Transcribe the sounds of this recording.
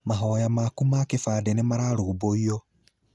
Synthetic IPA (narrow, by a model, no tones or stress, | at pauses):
maɦɔjamakumakefaːdenemaɾaɾuːboiɔ